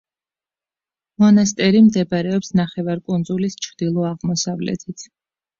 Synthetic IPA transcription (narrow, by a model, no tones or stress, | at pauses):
mɔnas̬t̪ʼɛɾimd̪ɛbɾɛɔpsnaχɛvaɾkʼund̪zulist͡ʃʰɾd̪̥ilˠɔaʁmɔsavlɛ̰t̪ʰit̪sʰ